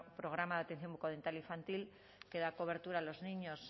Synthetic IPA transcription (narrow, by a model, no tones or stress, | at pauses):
pɾo̞ɣ̞ɾamaðat̪e̞nθjo̞mbukaðent̪aliɱfant̪il | ke̞ðako̞β̞e̞ɾt̪uɾalo̞znĩɲos